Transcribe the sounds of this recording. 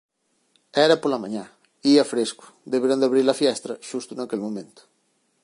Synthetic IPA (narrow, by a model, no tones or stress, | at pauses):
ɛɾɐpolɐmãɲã | iɐfɾeskʊ̥d̪eβeɾand̪aβɾiɾlɐfjɛst̪ɾɐʃust̪ʊnakelmomẽnt̪ʊ̥